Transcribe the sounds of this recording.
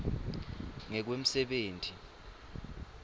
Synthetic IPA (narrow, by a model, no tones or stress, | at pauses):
ŋɛk̬wem̩sɛɓeːntʰʼi